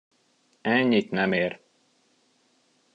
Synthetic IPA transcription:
ɛɲːit̪nɛmeːɾ

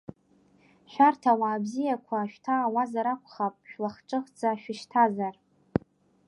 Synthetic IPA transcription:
ʃᶣartʰawaːbzijakʷʰaːʃᶣtʰaːwazaɾakʷʰʼχapʼʃᶣlaχʈ͡ʂʼɨχd͡zaʃᶣɪʃtʰazar

